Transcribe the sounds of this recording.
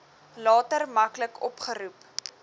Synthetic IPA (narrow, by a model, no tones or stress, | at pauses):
lɑːtərmɐkləkɔpχəɾup